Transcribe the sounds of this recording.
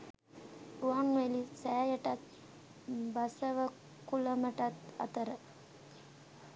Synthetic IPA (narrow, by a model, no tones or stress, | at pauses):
uaŋʋelisæːjəʈat̪ | basəʋə | kuləməʈat̪a̰t̪əɾə